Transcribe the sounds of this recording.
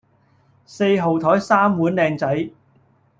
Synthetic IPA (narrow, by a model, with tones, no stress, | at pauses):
se˧jɦo˨˩wt̪ʰɔː˨˥jsaː˥mwuː˨˥nlɛː˧ŋt͡sɐ˨˥j